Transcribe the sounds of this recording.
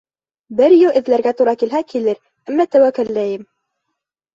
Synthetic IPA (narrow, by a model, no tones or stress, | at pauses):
bɘɾjɘlʔɘ̆ðlæɾɡæt̪uɾɑkilɦækilɘɾ | æmːæt̪æwækɘ̆lːæjɘm